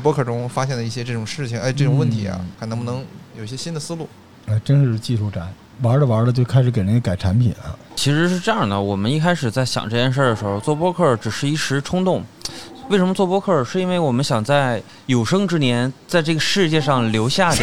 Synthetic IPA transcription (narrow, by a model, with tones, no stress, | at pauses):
pwɔ˥kʰɤ˥˩ʈ͡ʂʊ˥ŋfa˥ɕjɛ˥˩nd̪ə˩i˥˩ɕjɛ˥ʈ͡ʂɤ˥˩ʈ͡ʂʊ˨˩ŋʂɻ̩˥˩t͡ɕʰi˩ŋ˧˥˧ʈ͡ʂɤ˥˩ʈ͡ʂʊ˨˩ŋwə˥˩nt̪ʰi˧˥ɐ̰˧xʰa˧˥nɤ˧˥ŋbu˧n˧˥ŋjo˨˩i˧˩ɕjɛ˥ɕi˥nd̪ə˨sɹ̩˥lu˥˩ | a˥˩ʈ͡ʂə˥nʂɻ̩˥˧t͡ɕi˥˧ʂʰu˥˩ʈ͡ʂa˧˥˦n | wa˧˥lə˧wa˧˥lə˧t͡ɕjo˥˧ʊkʰa˥ɪʂɻ̩˧˥ke˨˩ə˧˥ɡə˧ka˨˩ɪʈ͡ʂʰa˧˥npʰḭ˨˩˦nɐ̰˧t͡ɕʰi˧˥ʂɻ̩˧˥ʂɻ̩˥˧ʈ͡ʂɤ˥˧jɑ˥˩nə˩wɔ˨˩mə˦ni˥˩kʰa˥ɪʂɻ̩˨˩t͡sa˥˩ɪɕjɑ̰˨˩ŋʈ͡ʂɤ˥˧t͡ɕjɛ˥˧nʂ̬ə˞˥˩d̪ə˩ʂɻ̩˧˥xo˧t͡swɔ˥˩p̬wɔ˥kʰɤ˥˩ʈ͡ʂɻ̩˨˩ʂɻ̩˥˧i˥˩ʂɻ̩˧˥ʈ͡ʂʰʊ˥ŋt̪ʊ˥˩ŋwe˥˩ʂ̬ə˧˥mə˧t͡swɔ˥˩pwɔ˥kʰɤ˥˩ʂɻ̩˥˩i˥nwe˥˩ɪwɔ˨˩mə˦nɕjɑ˨˩ŋt͡sa˥˩ɪ | jo˨˩ʊʂɤ˥ŋʈ͡ʂɻ̩˥njɛ˧˥nt͡sa˥˧ɪʈ͡ʂɤ˥˩ɡə˩ʂɻ̩˥˧t͡ɕjɛ˥˧ʂɑ˥˩ŋljo˧˥ʊɕja˥˩d̪ə˩